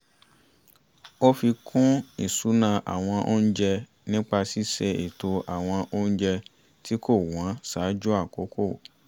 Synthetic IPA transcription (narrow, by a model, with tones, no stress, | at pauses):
o˦fi˧kʰũ˦ḭ˨su˨˦nã˧ʔa̰˨w̃ɔ̃˧ʔo˦ñ̩˦d͡ʒɛ˧ | nĩ˦k͡pa˧si˦se˧ḛ˨to˧ʔa˨w̃ɔ̃˧ʔo˦n̩˦d͡ʒɛ˧ | ti˦kʰo˦˨w̃ã˨˦saː˨˦d͡ʒu˦a˦˨ko˨˦kʰo˦˨